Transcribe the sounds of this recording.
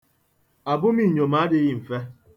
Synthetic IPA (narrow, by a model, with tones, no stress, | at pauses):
a˨bʊ˦mi˦˨ɲo˨ma˨˦dɪ˦ɣi˦˨m̩˨fe˦